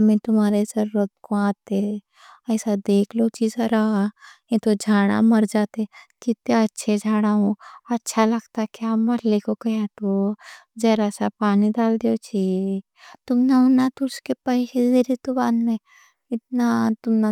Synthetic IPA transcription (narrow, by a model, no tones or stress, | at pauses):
ɐmẽt̪ʊmaːɾezɐɾuːɾət̪̚koãːt̪e | ɐɪsad̪eːkʰlot͡ʃiːzɾɐɦajet̪od͡ʒʱaːɽ̃a̰mɐɾd͡ʒaːt̪ekit̪eɐtːʃʰed͡ʒʱaːɽ̃aɦõɐtːʃʰalɐɡt̪akiaːmɐɾlekokɐjat̪od͡ʒɐːɾasapaːnid̪aːld̪eot͡ʃʰi | t̪ʊmnaʊnːat̪ʊɾskepɐikezeɾit̪ʊbaːnmẽ | ɪt̪nat̪ʊmna